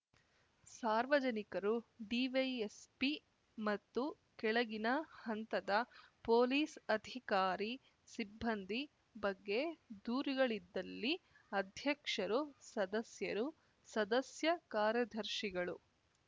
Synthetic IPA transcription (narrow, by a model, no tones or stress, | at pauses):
saːɾʋɐd͡ʒɐnikɐɾuɖiʋɐjespi | mɐt̪ːu | kɛɭɐɡinɐhɐnt̪ɐd̪ɐpoːliːsɐd̪ʱikaːɾi | sibːɐnd̪ʱi | bɐɡːe̞d̪uːɾiɡɐɭid̪ːɐlːi | ɐd̪ʱjɐkʂɐɾusɐd̪ɐsjɐɾu | sɐd̪ɐsjɐkaːɾjɐd̪ʱɐɾʃiɡɐɭu